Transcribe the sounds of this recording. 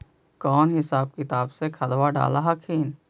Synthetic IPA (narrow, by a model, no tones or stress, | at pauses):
kɔːnɦɪsaːb̚kɪt̪aːbsekʰəlwaɖa̰ːlaɦakʰiːn